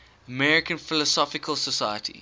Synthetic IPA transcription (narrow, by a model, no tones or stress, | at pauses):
əmɛɹɪkə̃nfɪlɔsɔfɪkʰəlˠsəsaɪətʰḭ